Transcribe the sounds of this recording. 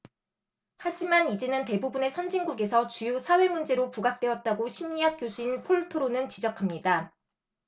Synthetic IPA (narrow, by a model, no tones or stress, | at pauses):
had͡ʑimanid͡ʑe̞nɯnte̞bubune̞sʰʌnd͡ʑiŋɡuɡe̞sʰʌt͡ɕujosʰawe̞mund͡ʑe̞ɾopuɡak̚t͈we̞ʌt̚t͈aɡoɕʰimiak̚k͈josʰuinpʰoɭtʰoɾonɯnt͡ɕid͡ʑʌkʰamɲida